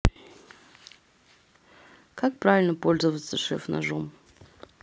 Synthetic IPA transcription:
kak̚pravʲɪlʲnəpolʲzəvət̪səʂɛ̰fna̰ʐom

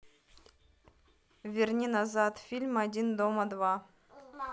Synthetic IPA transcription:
vʲɪrnʲinazat̪fʲilʲmɐdʲind̪oməd̪va

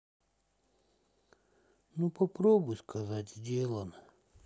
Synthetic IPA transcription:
nupɐpɾobʊjskʰɐzatʲzʲdʲelˠənə

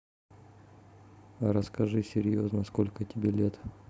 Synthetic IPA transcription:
ɾəskɐʐɨsʲɪɾʲjoznəskolʲkətʲɪbʲelʲet̪

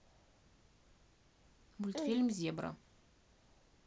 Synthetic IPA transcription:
mulʲt̪filʲmzjɛbɾɐ̰

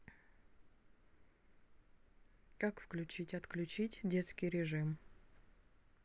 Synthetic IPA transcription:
kakfklʲʉt͡ɕitʲɐt̪klʲʉt͡ɕitʲdʲet̪skʲɪjɾʲɪʐɨm

